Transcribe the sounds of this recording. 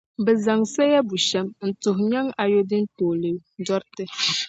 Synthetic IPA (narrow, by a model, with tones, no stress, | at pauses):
bɛ˨za˨ŋsa˦ja˦bu˨ʃɛ˦mn̩˨tʊ˨ɦɲa˦ŋa˨jo˦dɨ˦ntoː˨lɨ˨dɔ˦ɾtɨ˦